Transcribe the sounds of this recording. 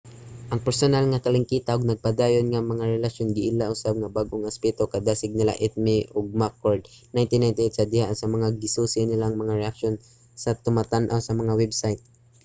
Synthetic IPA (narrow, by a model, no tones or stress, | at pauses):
ʔɐŋpɛɾsonalŋɐt̪alɪŋkiːt̪aʔoɡ̚nɐɡ̚pad̪aːjonŋamɐŋaɾɛlaʃjonɡɪʔɪlaʔʊsab̚ŋɐbaɡʔoŋɐspɛt̪okɐd̪aːsɪɡ̚nɪla̰ʔɛt̪̚mɪʔoɡ̚makoɹd̪najnt̪ɪnajnt̪ɪejt̪sɐd̪ɪhaʔsɐmɐŋaɡɪsuːsɪnɪlaŋmɐŋaɾɛʔakʃo̞n | sɐt̪ʊmat̪anʔawsɐmɐŋawɛbsajt̪̚